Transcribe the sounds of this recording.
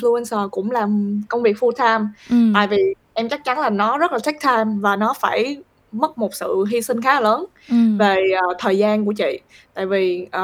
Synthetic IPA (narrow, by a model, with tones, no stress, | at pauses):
flu˧ɛ˧nsəː˧˩kʊ̰˧˥ŋ͡mlaː˨˩mkə˧wŋ͡mvi˨˩ək̚fu˧t̪ʰaː˧mt̪a̰ː˧˨jvi˨˩ | ʔɛ˧mt͡ɕa˦˥k̚t͡ɕa˨˦nlaː˨˩nɔ˨˦zə˦˥laː˨˩t̪a˦˥k̚t̪ʰaː˧mvaː˨˩nɔ˨˦faː˧˩j | mə˦˥t̚mo˨˩t̚sɨ̰˧˨ɦi˧sï˧ŋ̟xaː˨˦ləː˨˦n | ve˨˩ʔːt̪ʰəː˨˩jzaː˧nku˧˩ət͡ɕḭ˧˨ | t̪a̰ː˧˨jvi˨˩ʔ